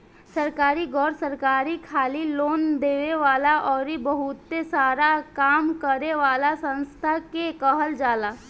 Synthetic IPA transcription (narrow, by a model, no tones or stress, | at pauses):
səɾkaːɾiɡɔːɾsəɾkaːɾikʰaːliloːnd̪eːʋeʋaːlaʔɔːɾibəɦʊt̪ːesaːɾakaːmkəɾeʋaːlasə̃nst̪ʰakekəɦəld͡ʒaːlaː